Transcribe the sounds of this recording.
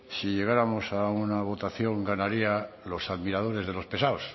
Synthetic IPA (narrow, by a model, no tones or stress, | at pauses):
siʎe̞ɣ̞aɾamo̞saunaβ̞o̞t̪aθjo̞ŋɡanaɾia | lo̞saðmiɾað̞o̞ɾe̞zð̞e̞lo̞spe̞saos